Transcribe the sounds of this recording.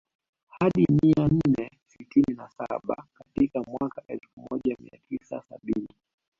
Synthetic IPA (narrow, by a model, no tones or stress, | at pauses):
haɗimian̩nɛ | sitininasaɓa̰katikamwakaʔɛlfumɔʄamḭa̰tisa̰saɓini